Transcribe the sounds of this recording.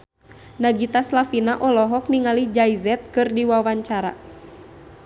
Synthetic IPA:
naɡit̪aslafinaʔɔlɔɦɔk̚niŋalid͡ʒaizɛt̪̚kɨrdiwawaɲt͡ʃaɾa̰

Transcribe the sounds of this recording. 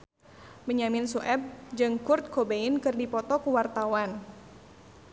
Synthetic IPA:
məɲamɪnsuʔɛb̚d͡ʒɨŋkurt̪̚kobeɪnkɨrdipɔt̪ɔkuwart̪awan

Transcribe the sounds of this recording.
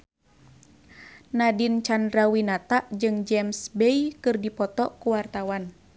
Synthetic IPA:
nadint͡ʃandɾawinat̪aʔd͡ʒɨŋd͡ʒɛmsbejkɨrdipɔt̪ɔkuwart̪awan

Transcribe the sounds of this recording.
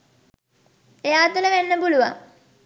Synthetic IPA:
eaːt̪uləʋenːəpuluʋa

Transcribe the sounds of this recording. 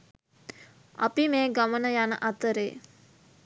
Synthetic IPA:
a̰pimeːɡamənəjanəʔat̪əɾeː

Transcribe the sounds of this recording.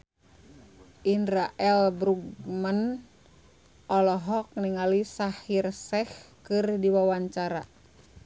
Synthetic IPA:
ʔindɾaʔɛlbɾuɡmən | ʔɔlɔɦɔk̚niŋalisahirsɛh | kɨrdiwawaɲt͡ʃaɾa

